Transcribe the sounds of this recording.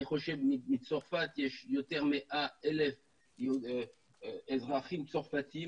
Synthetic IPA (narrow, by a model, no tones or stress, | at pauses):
χɔʃɛvmimit͡sɔʁfat̪jɛʃjɔt̪ɛʁmɛʔaɛlɛf | ɛzʁaχimt̪sɔʁfat̪i